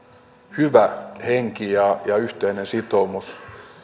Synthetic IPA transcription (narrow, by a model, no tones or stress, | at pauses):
hyʋæheŋkijɑjɑyht̪einensit̪omus